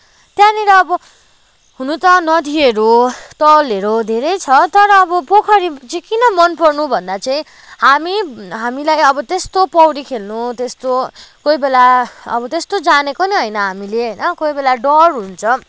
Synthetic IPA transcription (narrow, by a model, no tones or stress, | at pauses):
t̪jãniɾʌːbʌ | ɦunut̪ʌnʌd̪ʱieɾut̪ʌleɾod̪ʱeɾʌjt͡sʰʌt̪ʌɾʌːbʌpokʰʌɾiʌt͡sikinʌmʌnpʌrnubʱʌnd̪at͡saĩ | hamiɦamilajʌbʌt̪est̪opʌwɽikʰelnut̪est̪okojbelaʌ̰bʌt̪est̪od͡zanekoniɦʌjnʌɦamileɦʌjnʌkojbelaɖʌrɦunt͡sʰʌ